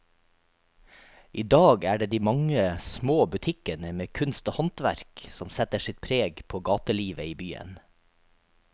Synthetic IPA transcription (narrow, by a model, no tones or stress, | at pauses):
ʔiːd̪ɑːɡæːɖeːd̪iːmɑŋəsmoːbʉt̪ʰɪkənəmeːkʰʉnst̪oːhɑnt̪ʋæ̰ɾksɔmsɛt̪əʃɪt̪̚pʰɾeːɡpʰoːɡɑːt̪əliːʋəiːbyːə̰n